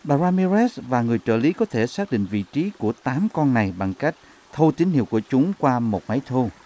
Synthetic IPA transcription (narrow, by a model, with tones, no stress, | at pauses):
ɓaː˨˧˩zaː˧mi˧zɛ˦˥svaː˨˩ŋɨ˨˩əjt͡ɕəː˧˩li˨˦kɔ˨˦t̪ʰe˧˩saː˦˥k̚ɗḭ̈˧˨ŋ̟vḭ˧˨t͡ɕi˨˦ku˧˩ət̪aː˨˦mkɔ˧nːa˨˩jɓa˨˩ŋka˦˥jk̚ | t̪ʰo˧t̪ï˨˦ŋ̟hi˧˨wku˧˩ət͡ɕʊ˨˦ŋ͡mkwaː˧mo˨˩t̚ma˨˦jt̪ʰo˧